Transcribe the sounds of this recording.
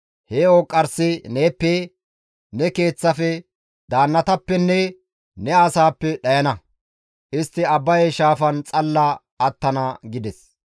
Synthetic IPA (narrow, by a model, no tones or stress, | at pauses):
heːokʼːɐɾsɪneːpːɛ | nɛke̞ːt͡sːɐfɛ | d̪aːnːɐt̪ɐpːɛnːɛ | nɛɐsaːpːɛɗɐjɐnɐ | ʔɪst̪ːɪɐbːɐjɛʃaːfɐnt͡sʼɐlːɐ | ɐt̪ːɐnɐɡɪd̪ɛs